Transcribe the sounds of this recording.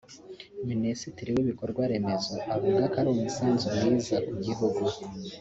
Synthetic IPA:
minesitiɾiwiβiko̞ɾɡwaɾe̞me̞zo̞ʔaβuɡakaɾumusaːnzumjiːzakuɟiɦuɡu

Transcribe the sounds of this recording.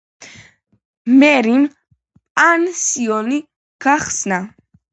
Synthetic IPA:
mɛɾim | pʼansiɔni | ɡ̥aχsna

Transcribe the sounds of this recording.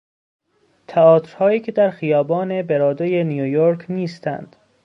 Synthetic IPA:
t̪ʰæɒːt̪ɾ̥hɒːjiːcʰe̞d̪æɾxijɒːbɒːne̞beɾɒːd̪ojenijojoɾkʰniːst̪æ̰nd̪̥

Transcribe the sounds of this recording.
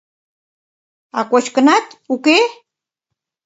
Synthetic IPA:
akʷaʃkanat̪ʊke

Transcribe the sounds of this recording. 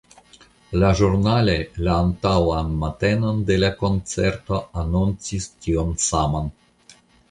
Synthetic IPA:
laʒuɾnale̞laːntawanmate̞nonde̞lako̞nt͡seɾto̞anont͡sistionsaman

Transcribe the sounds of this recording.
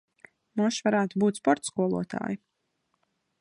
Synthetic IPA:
munʃvaɾaːt̪ubuːt̪spɔɾt̪skuɔlˠuɔt̪a̰ːji

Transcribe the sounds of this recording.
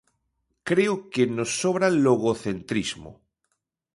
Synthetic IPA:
kɾeokenosːoβɾaloɣoθent̪ɾizmo̰

